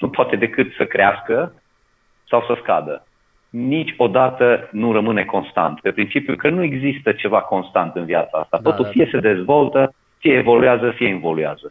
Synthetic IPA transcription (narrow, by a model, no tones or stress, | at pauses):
nupoat̪e̞d̪e̞kɨt̪səkɾeaskə | sawsəska̰d̪ə | nit͡ʃʲo̞d̪at̪ənuɾəmɨne̞ko̞nst̪a̰nt̪pe̞pɾint͡ʃipjṵkənue̞ɡzist̪ət͡ʃe̞vako̞nst̪ant̪ɨnviat̪saa̰st̪at̪o̞t̪ulfije̞se̞d̪e̞zvo̞lt̪ə | fijeːvo̞lujazəfijeinvo̞luja̰zə